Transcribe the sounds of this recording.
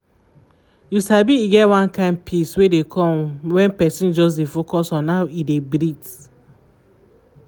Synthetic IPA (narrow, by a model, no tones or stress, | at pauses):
jusabiiɡɛtwãnkãɪ̃nd̚pʰiswedekʰɔ̃mwɛ̃npɛsĩnd͡ʒɔs̬defokɔsɔ̃nːaʊidebɾit